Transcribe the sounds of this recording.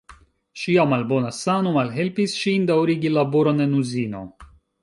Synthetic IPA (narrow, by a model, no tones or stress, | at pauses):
ʃiamalbo̞nasanomalɦe̞lpisʃindawɾiɡilabo̞ɾonenuzino̞̰